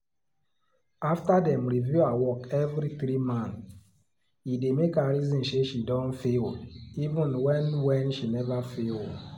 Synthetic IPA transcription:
aftadɛ̃mɾivjuawɔkɛvɾiθɾimãnθ | idemekaɾizɔ̃nʃeʃidɔ̃ntfelivũnwɛ̃nwɛ̃nʃinɛvafel

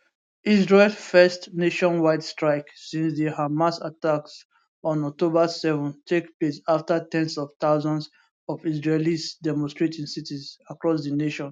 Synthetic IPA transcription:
izɹelfɛstneʃɔ̃nwaɪdstɹaɪksĩnsðihamasataks | ɔ̃nɔk̚tobəsɛvɛ̃ntʰekplesaftətɛ̃nsɔv̥t̪aʊzɔ̃ns | ɔvizɹelizdɛmɔ̃nstɹetʰĩŋsitizakɹɔsðineʃɔ̃n

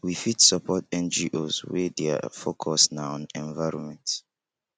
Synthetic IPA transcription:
wifitsɔpʰɔtɛ̃nd͡ʒiʔozwɛdɛa̰fokʰɔsnaɔ̃nɛ̃nvaɪɹɔnmɛ̃nt

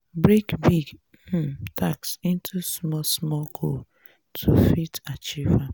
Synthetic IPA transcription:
bɾekbiɡ̩ | tʰaksĩntʰusmɔsmɔkʰol | tʰufitat͡ʃiva

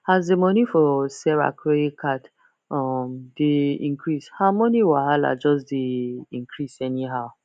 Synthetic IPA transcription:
hazdemɔnifɔsɛɹa̰kʰɹeikʰat | ɔmdeḭ̃ŋkʰɹishaʊmɔniwaɦala̰d͡ʒɔsdeĩŋkʰɹisɛniɦaʊ

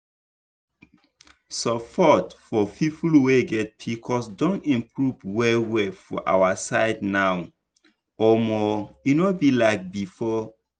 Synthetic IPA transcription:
sɔpʰɔtfɔpʰipʰulweɡɛt̚pʰikʰɔsdɔ̃nĩmpʰɹuvwɛwɛfɔ̰ʔa̰wasaɪdnaw | ɔmɔunobilaɪk̚bifɔ

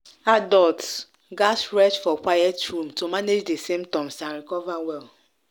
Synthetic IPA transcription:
adɔlt | ɡasɹɛt͡ʃfɔkwajɛtɹũmtomaned͡ʒdesemtɔ̃msanɾikɔvawɛl

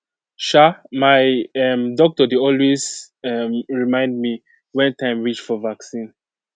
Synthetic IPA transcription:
ʃamaɪɛmdɔk̚tɔdeɔlwez | ɛmɹimãɪ̃ndmi | wɛ̃ntʰãɪ̃mɹit͡ʃfɔvaksĩn

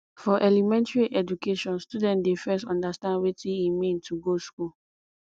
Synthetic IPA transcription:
fɔʔɛlimɛ̃ntɹiʔɛd͡ʒukʰeʃɔ̃nstudɛ̃ntdefɛstɔ̃ndastãndwetʰĩimĩntʰuɡoskul

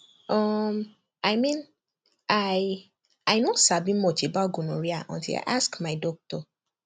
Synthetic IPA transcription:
ɔm | ajmĩn | aj | ajnõsabĩmɔt͡ʃebaɡonõɾiaʔɔ̰̃ntḭla̰ʔaskmaɪdɔk̚tɔ

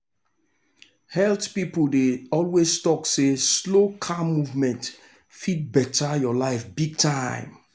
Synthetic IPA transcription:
hɛltpipl̩deɔlweztɔkseslokʰamuvmɛ̃nt | fit̚bɛtʰajɔlaɪfbiɡ̚tʰãɪ̃m

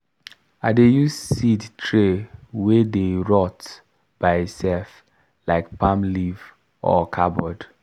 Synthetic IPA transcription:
adejusssidtʰɹewedeɹɔt | b̥aɪitsɛlf | laɪkpãmliv | ɔ̰kʰabɔd

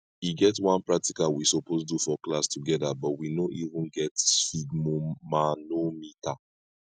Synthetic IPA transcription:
iɡɛtwãnpɹak̚tikalwisɔposdufɔklastʰuɡɛdabɔtwinoʔivũnɡɛtsfiɡmomanomita

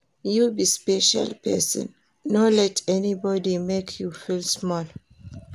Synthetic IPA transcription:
jubispɛʃa̰lpʰɛ̰sɔ̰̃nː | olɛtʰɛnibɔdimekʰjufilsmɔl

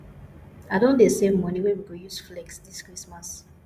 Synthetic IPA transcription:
aɪdõndesẽmːɔniwɛ̃nwiɡojusflɛksdiskɹismas

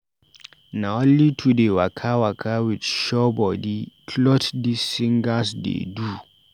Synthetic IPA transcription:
naɔ̃nlitʰudewakʰawakʰawit͡ʃʃɔbɔdikʰlɔtdisːĩŋɡasdḛdu

